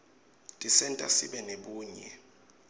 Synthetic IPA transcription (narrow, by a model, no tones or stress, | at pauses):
tʼisɛntʼa̰siɓɛneɓuːɲɛ